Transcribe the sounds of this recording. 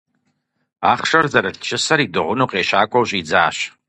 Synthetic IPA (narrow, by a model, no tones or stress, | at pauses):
a̰χʂɐrzaɾaɬt͡ʃʰɪsɐɾidɨʁʷʊnoqʼeːɕaːkʷʼawɕʼid͡zaːɕ